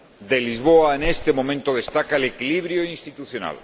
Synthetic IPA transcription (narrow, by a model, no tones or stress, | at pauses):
d̪elizβ̞oaenest̪emomẽnt̪oðest̪akaelekiliβ̞ɾjoinst̪it̪uθjona̰l